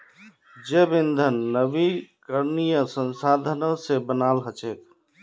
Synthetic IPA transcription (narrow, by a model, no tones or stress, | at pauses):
d͡ʒebɪnd̪ʱənːəʋikəɾnijəsə̃nsaːd̪ʱənõsebənaːlɦət͡ʃet̪ʰ